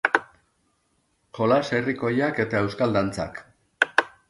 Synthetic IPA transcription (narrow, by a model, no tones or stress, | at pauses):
ʝo̞lase̞riko̞jake̞t̪ae̞wskald̪ant͡sa̰k